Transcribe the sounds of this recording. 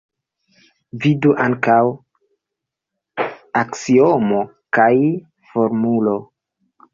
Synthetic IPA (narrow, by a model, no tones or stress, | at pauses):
viduʔaŋkaw | aksiomo̞ | kaj | fo̞ɾmulo̞